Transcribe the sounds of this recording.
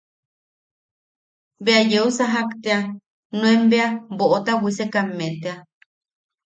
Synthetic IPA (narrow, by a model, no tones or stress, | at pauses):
beajeusaɦakt̪ea | nũembeaboʔot̪awʷisekamːet̪ea